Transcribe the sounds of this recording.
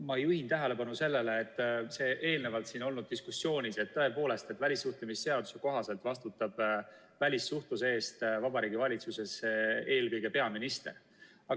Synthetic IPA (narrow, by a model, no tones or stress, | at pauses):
mɑejuhint̪æɦe̞le̞pɑnuse̞lːe̞leːt̪ːˑse̞ːʔe̞ːlne̞vɑlt̪siːno̞lnud̪̚d̪iskusːjo̞ːnʲise̞t̪ːɤe̞po̞ːle̞st̪et̪ːˑvælʲisːuht̪umisːe̞ɑd̪̥useko̞ɦɑse̞lt̪vɑst̪ut̪ːˑɑb̥ | vælʲisːuht̪usee̞ːst̪vɑb̥ɑɾiːɡ̥ivɑlʲit̪suse̞se̞ːlkɯjɡ̥e̞pe̞ɑminist̪e̞̰r | ɑ